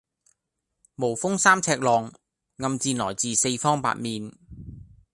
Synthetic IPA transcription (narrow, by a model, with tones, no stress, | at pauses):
mo˨˩wfʊ˥ŋsaː˥mt͡sʰɛː˧k̚lɔː˨ŋ | ŋɐ˨mt͡siː˧nlɔː˨˩jt͡siː˨se˧jfɔː˥ŋpa̰ː˧˨t̚miː˨n